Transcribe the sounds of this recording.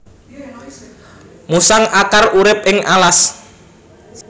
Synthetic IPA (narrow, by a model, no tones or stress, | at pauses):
musaŋʔakarʔuɾɪp̚ɪŋʔalas